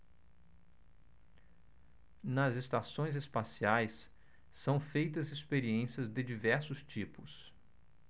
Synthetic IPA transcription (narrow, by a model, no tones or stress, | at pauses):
nɐzest̪asõj̃zespasiajs | sɐ̃w̃fejt̪ɐzespeɾiẽsiɐzd̪ɪd͡ʒivɛɾsʊst͡ʃipʊs